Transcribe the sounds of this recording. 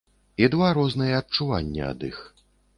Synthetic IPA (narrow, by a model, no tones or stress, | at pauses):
id̪vaɾɔznɐjɐɐt̚t͡ʂuva̰nʲːɛ̰ɐ̰d̪ḭx